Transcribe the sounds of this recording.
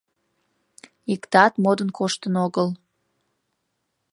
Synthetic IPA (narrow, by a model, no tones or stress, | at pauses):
ikt̪ɑt̪mod̪ənkʰoʃt̪ənoɣəl